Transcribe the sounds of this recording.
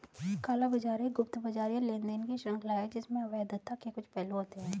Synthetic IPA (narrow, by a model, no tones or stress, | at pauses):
kaːlabɐd͡ʒaːɾeɡʊpt̪bɐd͡ʒaːɾjalẽːnd̪enkiʃɾɐ̃ŋkʰlaːed͡ʒɪsmẽɐʋad̪ɐt̪ʰːakekʊt͡ʃʰpɛːloɦoːt̪eɦɛ̃ː